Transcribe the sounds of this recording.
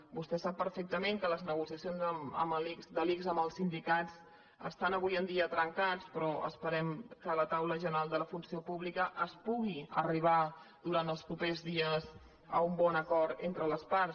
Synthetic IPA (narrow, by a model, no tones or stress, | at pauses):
bust̪ɛsapːəɾfek̚t̪əmẽŋkələznəɣusiəsionzəmə̰məlikzd̪əlikzəməlˠsind̪ikat͡s | ə̰st̪anəβujənd̪iət̪ɾəŋkat͡spɾɔʔə̰spəɾɛmkələt̪awləʒənəɾalˠd̪ələfunsiopuβlikəʔəspuɣiəriβ̞ad̪uɾant̪əlˠspɾupezðiəz | əumbɔnəkɔɾt̪ent̪ɾələspaɾ